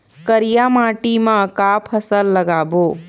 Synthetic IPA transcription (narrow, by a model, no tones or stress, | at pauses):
kəɾijamaːʈimãkaːpʰəsəlːɐɡaːboː